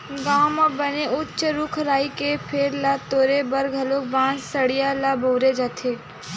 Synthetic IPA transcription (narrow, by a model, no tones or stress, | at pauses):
ɡaːmabəneʔʊtːt͡ʃʃəɾʊkʰɾaːikepʰeɾlat̪oːɾebɐɾɡʱɐloːk̚bãːnsɐɽijalaboːɾed͡ʒat̪ʰeː